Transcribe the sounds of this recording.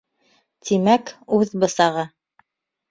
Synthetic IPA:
t̪ʰimækʉðbɤ̆sɑʁɤ

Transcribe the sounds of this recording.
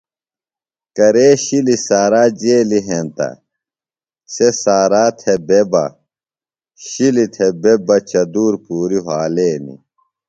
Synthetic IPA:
kɐɾeːɕilisaːɾaːd͡ʑeːliɦẽːnt̪ɐ̰ | sesaːɾaːt̪ʰebebɐ̰ | ɕilit̪ʰebebɐt͡ɕɐd̪uːɾpuːɾiɦaːleːnḭ

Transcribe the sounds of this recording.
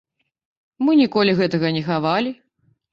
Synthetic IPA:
mɨnʲikɔlʲiɣɛt̪ɐɣɐnʲɛxavalʲi

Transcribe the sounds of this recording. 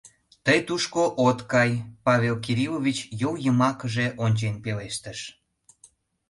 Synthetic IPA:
t̪əjt̪uʃkoʔot̪kɑjpɑβʲelk̬iɾilovʲit͡ɕjowjəmɑkəʒeʔonʲt͡ɕenpeleʃt̪əʃ

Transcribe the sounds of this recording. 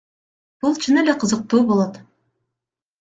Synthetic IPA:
b̥ulˠt͡ʃʰɯnele̞qʰɯzɤq̚t̪uːbo̞lˠot̪

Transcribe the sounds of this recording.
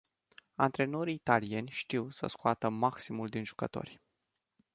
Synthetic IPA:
ant̪ɾe̞no̞ɾiːt̪alie̞nʲʃt̪iwsə̰skoat̪əmaksimuld̪inʒu̥kət̪o̞̰rʲ

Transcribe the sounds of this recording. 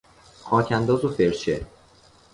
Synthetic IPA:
xʰɒːcʰænd̪ɒːzofeɾt͡ʃʰḛ

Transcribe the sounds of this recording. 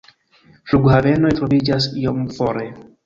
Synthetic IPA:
fluɡhave̞no̞jtɾo̞vid͡ʒasijomfoɾe

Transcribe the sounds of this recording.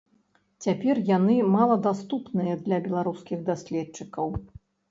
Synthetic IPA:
t͡sʲapʲɛrjanɨmalˠɐd̪ast̪upnɨjɐd̪lʲɐbʲɛlˠaɾuskʲiɣd̪asʲlʲɛt̪t͡ʂːɨkɐw

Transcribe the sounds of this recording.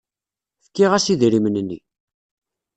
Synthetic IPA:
θə̥kːiʁæsiðɾimənənːḭ

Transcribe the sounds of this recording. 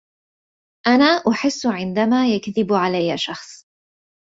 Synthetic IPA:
ʔanaːʔʊħɪsːʕɪnd̪amaːjakðɪbʕalajːaʃɑxsˤ

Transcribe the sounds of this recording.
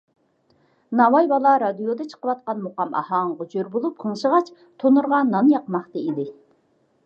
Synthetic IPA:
nɑwɑjbɑlˠɑɾɑd̪ijod̪ɨt͡ʃʰə̥qəwɑt̪̚qɑnmoqɑmʔɑ̰hɑŋʁod͡ʒøɾbolˠup̚qʰəŋʃəʁɑt͡ʃ | t̪ʰonuɾʁɑnɑnjɑqmɑχt̪ɨid̪ɪ

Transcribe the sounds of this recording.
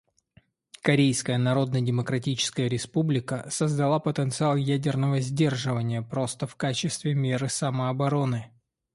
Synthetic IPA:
kɐɾʲejskəjənɐɾo̞d̪nədʲɪməkɾɐtʲit͡ɕɪ̥skəjəɾʲɪspublʲɪkəsəzd̪ɐlˠapət̪ənt̪sɨalˠjædʲɪrnəvəzʲdʲe̞rʐɨvənʲɪjəpɾo̞st̪əfkat͡ɕɪst̪vʲɪmʲeɾɨsaməɐbɐɾo̞nɨ

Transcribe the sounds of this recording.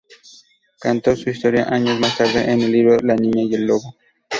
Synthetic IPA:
kant̪o̞suist̪oɾja̰ʔaɲozmast̪aɾðeʔenelːiβɾolanĩɲajelːoβo

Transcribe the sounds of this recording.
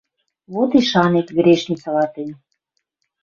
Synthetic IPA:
βot̪iʃɑnekɡɾʲeʃnʲit͡sɑlɑt̪enʲ

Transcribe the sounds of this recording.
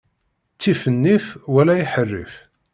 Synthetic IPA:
t͡sːifənːifwælæjiħərːḭf

